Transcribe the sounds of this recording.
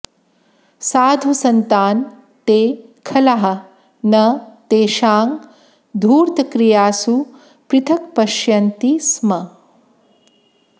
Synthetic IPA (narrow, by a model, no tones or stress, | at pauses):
saːd̪ʱusɐnt̪aːn | t̪eːkʰɐlɐɦɐ̆ | nɐt̪eːʃaːŋ | d̪ʱuːɾt̪ɐkɾijaːsu | pɾɪt̪ʰɐk̚pɐʃjɐnt̪ismɐ